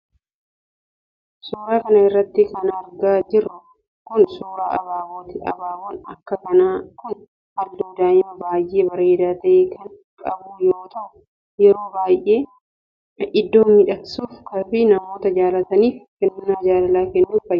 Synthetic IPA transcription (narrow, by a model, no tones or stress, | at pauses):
suːɾaːkɐnɐɪrːɐt̪ːɪkɐnɐɾɡaːd͡ʒɪɾʊ | kʊnsuːɾaːʔɐbaːwoːt̪ɪɐ̰baːwonɐkːɐkɐnaːkʊn | hɐlːoːd̪aːɪmɐbaːjʔeːbɐɾe̞ːd̪aːt̪ɐʔeːkɐŋ | kʼɐbuːjoːt̪ʰɐʔʊ | jɛɾo̞ːbaːjʔeː | ʔɪd̪ːoːmmɪᶑɐksuːfkɐfɪnɐmo̞ːt̪ɐd͡ʒaːlɐt̪ɐniːfkɛnːʊnːɐd͡ʒaːlɐlaːkɛnːuːfɐj